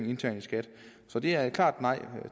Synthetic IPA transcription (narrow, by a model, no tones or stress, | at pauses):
ŋe̝nt͡sʰæɐnsɡ̥æd̥sɒ̽d̥e̝æɐkʰlɑ̰̈ːd̥nɑ̈ɪ̰